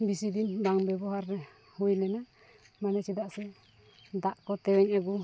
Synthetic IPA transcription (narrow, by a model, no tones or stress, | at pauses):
bisid̪ind̪aŋbɛbɔɦaɾːɛ | hujlɛna | manɛt͡ʃid̪aʔsɛ | d̪aʔkɔt̪ɛwɛɲɛɡu